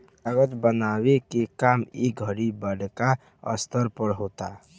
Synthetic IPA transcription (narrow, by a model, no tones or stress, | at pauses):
əɡət̪bənawekekamiɡʱəɾibəɽka | ə̰st̪ʰəɾpəɾɦot̪a